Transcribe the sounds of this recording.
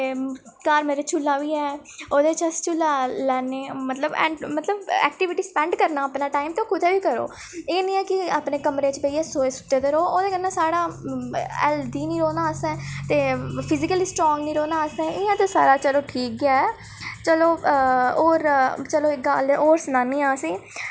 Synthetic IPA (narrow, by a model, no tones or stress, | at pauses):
eː | kaːɾmeːɾeːt͡ʃʰʊlːãːʋiːɛː | oːd̪eːt͡ʃəst͡ʃʰʊlːaːlɛːneːmət̪ləbɛ̰̃ːɳɖmət̪ləbɛ̰ːk̚ʈɪʋɪʈiːspɛ̃ːɳɖkəɾnaːəpnãːʈaːimt̪õːkʊd̪ʰeːʋiːkəɾo̰ː | eːnĩːɛːkɪaːpneːkəmɾeːt͡ʃəpəiːɛːsoːeːsʊ̥ʈːeːd̪eːɾoːoːd̪eːkənːãːsaːɽaː | ɛ̰ːld̪iːniːɾoːnãːəsɛ̃ːt̪eːpʰɪzɪkəliːsʈɾɔ̃ːŋɡnĩːɾoːnaːəsɛ̃ːɪãːt̪eːsa̰ːɾaːt͡ʃəloːʈʰiːk̚ɡaːɛː | t͡ʃəloːoːɾt͡ʃəloːɪɡaːloːɾsnãːnĩːaːsĩː